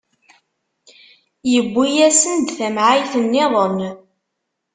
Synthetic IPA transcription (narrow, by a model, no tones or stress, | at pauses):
jəbʷːijæsənd̪θæmʕajθənːɪðˤən